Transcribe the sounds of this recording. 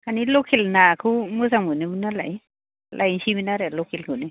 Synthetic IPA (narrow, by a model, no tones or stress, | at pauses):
kʰanilokʰilnakʰumus̬amunebinalaj | lʔajt͡ʃiminaɾɛlokʰilkʰune